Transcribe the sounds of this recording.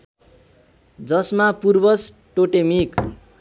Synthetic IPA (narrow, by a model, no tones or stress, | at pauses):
d͡zʌsmapurbʌs | ʈoʈemik